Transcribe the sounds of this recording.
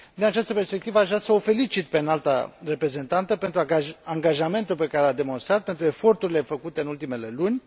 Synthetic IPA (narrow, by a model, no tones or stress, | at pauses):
d̪inat͡ʃast̪əpe̞rspe̞k̚t̪ivəaʃvɾasəofe̞lit͡ʃit̪pe̞nalt̪a̰re̞pɾe̞ze̞nt̪ant̪əpe̞nt̪ɾuaaŋɡaʒame̞nt̪ulpe̞kaɾelad̪e̞mo̞nst̪ɾat̪̚pe̞nt̪ɾue̞fo̞rt̪uɾile̞fəkut̪e̞ɨnult̪ime̞le̞lunʲ